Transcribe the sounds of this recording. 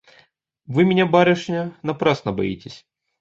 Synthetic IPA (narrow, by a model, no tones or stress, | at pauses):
vɨmʲɪnʲabaɾʲɪʂnʲɐnɐpɾasnəbɐḭtʲɪsʲ